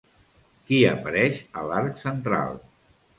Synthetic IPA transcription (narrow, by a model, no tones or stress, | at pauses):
kiəpəɾɛʃə̰laɾksənt̪ɾa̰lˠ